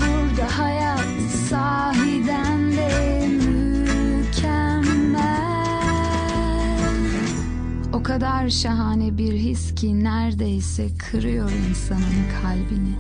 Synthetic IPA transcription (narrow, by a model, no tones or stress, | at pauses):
buɾd̪ahajat̪ | saː | ɦid̪ænd̪ɛ | my | cʰæ | mːæ | l | o̞kʰad̪aɾʃaɦaːnɛbiɾɦiscʰinæɾd̪ejsɛkʰɯɾɯjo̞ɾinsanɯnkʰalʲbini